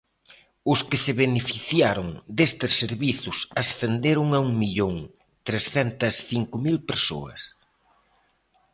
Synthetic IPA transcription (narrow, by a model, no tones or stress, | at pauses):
ʊskɪsɪβenefiθjaɾʊŋd̪est̪ɪsːeɾβiθʊsɐsθend̪eɾʊŋauŋmiʎoŋ | t̪ɾesθɛnt̪ɐsθiŋkʊmilpeɾso̰ɐ̰s